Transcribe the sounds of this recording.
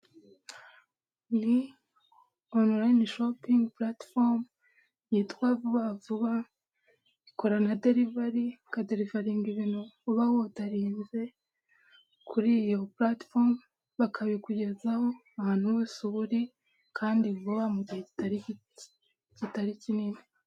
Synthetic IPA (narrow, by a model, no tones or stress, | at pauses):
ni | onuɾajnʃopiŋɡplatfoɾm | jiːtwavuβavuβa | ikoɾanade̞ɾivaɾikadeɾivaɾiŋɡiβinuuβawotaɾiːnze̞ | kʰuɾiːjo̞platfoɾm | βakʰaβikuɟe̞zaho̞ahaːn̥huwesuβuɾi | kʰaːndivuβamuɟiheci̥taɾii | citaɾiciniːni